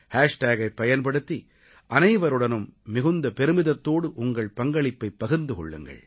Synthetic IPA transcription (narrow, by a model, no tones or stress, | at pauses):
haːʂʈaːɣɐɪpːɐjɐnpɐɽɯt̪ːi | ʔɐnɐɪʋɐɾɯɽɐnɯmːɪɣɯnd̪ɐpɛɾɯmɪðɐt̪ːoːɽɯʔʊŋɡɐɭpɐŋɡɐɭɪpːɐɪpːɐɣɯnd̪ɯkɔ̰ɭːɯ̰ŋɡɐ̰ɭ